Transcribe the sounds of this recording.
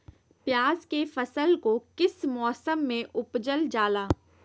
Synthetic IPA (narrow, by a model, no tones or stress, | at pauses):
pjaːzkefɐsəlkokɪsmɔːsəmːẽʔʊpd͡ʒəld͡ʒaːlaː